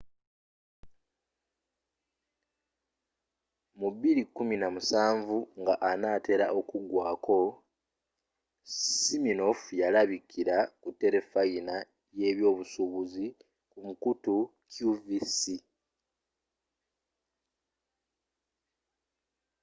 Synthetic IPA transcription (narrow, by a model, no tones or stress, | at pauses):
muβiɾikːuminamusaːɱvuŋɡaʔanaːte̞ɾa̰ʔo̞kuɡwaːkʰo̞ | simino̞fjalaβikʰiɾakutːe̞ɾe̞faina | je̞ːβjo̞ːβusuβuzi | kumukutukjuvisi